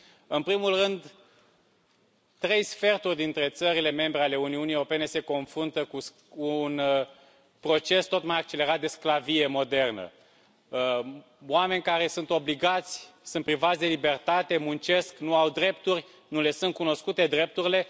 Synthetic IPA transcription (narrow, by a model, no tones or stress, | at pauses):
ɨnpɾimulrɨnd̪ | t̪ɾe̞jsfe̞rt̪urʲd̪int̪ɾe̞t̪səɾile̞me̞mbɾeale̞uniuniewɾo̞pe̞ne̞se̞ko̞nfɾunt̪əkuː | n | pɾo̞t͡ʃe̞st̪o̞t̪majak̚t͡ʃe̞le̞ɾat̪̚d̪e̞sklavije̞mo̞d̪e̞rnə̰ | oame̞nʲkaɾe̞sunt̪o̞bliɡat̪sʲsunt̪̚pɾivat̪sʲd̪e̞libe̞rt̪at̪e̞munt͡ʃe̞sknuawd̪ɾe̞pt̪urʲ | nule̞sunt̪̚kuno̞skut̪e̞d̪ɾe̞p̚t̪uɾile̞